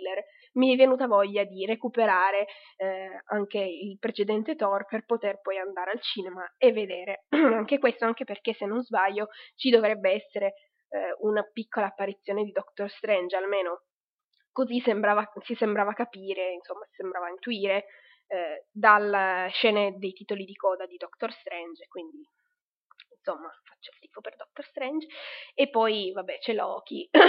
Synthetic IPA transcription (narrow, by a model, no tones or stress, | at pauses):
lːer | miɛvːenuːt̪avɔʎːad̪irekupeɾaːɾe | aŋk̟eilpɾet͡ʃed̪ɛnt̪et̪ɔrperpot̪erpɔjand̪aːɾealt͡ʃiːnemaevːed̪eːɾeaŋkekwest̪oaŋk̟eperkesːenːõnzbaʎːot͡ʃid̪ovɾɛbːeɛsːeɾe | unapikːolaːpːaɾit̪sːjoːned̪id̪ɔkt̪orst̪ɾɛnd͡ʒalmeːno | kozisembɾaːvasisembɾaːvakapiːɾeinsomːasi̥sembɾaːvaint̪uiːɾe | d̪alʃɛːned̪ejt̪iːt̪olid̪ikɔːd̪ad̪id̪ɔkt̪orst̪ɾɛnd͡ʒkwind̪i | insomːafḁt͡ʃːailt̪iːfoperd̪ɔk̚t̪orst̪ɾɛnd͡ʒepːɔjvabːɛt͡ʃɛlɔ̰ːk̟ʰi